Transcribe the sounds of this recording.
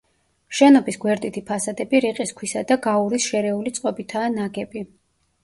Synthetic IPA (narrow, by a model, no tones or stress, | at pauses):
ʃɛnɔbisɡwɛɾd̪it̪ʰipʰasad̪ɛbiɾiqʼiskʰwisad̪aɡauɾisʃɛɾɛulit̪sʼqʼɔbit̪ʰaːnaɡɛbi